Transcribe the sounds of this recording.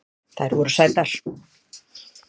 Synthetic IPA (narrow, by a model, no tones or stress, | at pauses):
θaɛɾvɔɾʏsajt̪al̥